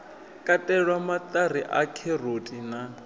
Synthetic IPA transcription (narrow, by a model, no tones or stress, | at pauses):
kʼatʼɛɺwamat̪ariʔakʰɛrotʼina